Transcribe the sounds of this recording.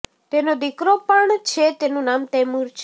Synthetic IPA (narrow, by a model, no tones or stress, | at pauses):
t̪enod̪ikɾopəɳt͡ʃʰet̪enũnaːmt̪emuɾt͡ʃʰ